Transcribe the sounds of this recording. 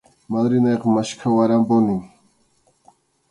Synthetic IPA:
malɾinaqmaʃkʰawaɾambonin

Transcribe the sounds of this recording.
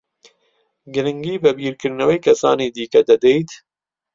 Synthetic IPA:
ɡɨɾɨŋɡiːbɐbiːɾkɨɾnɐwejkʰɐsaːniːd̪iːkɐd̪ɐd̪ejt̪

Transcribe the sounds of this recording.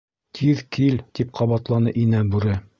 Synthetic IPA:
t̪ʰiðkʰilt̪ip̚qʰɑβɑt̪lˠɑnɤʔinæbʉɾɘ

